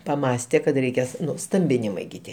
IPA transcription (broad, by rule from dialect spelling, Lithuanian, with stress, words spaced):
pɐˈmɑːsʲtʲeː kɐt rʲɛɪˈkʲeːs ˈnʊ ˈstɐmʲbʲɪnʲɪmɐɪ ɡʲɪ ˈtʲiɛ